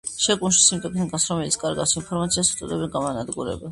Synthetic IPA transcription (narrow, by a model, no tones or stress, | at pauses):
ʃɛkʼunʃi̥simt̪ʼɛkʰnikʼasɾɔmɛlit̪sʰkʼaɾɡa̰sinpʰɔɾmat̪sʰiast̪sʼɔ̰d̪ɛbɛɡamanad̪ɡuɾɛ̰ba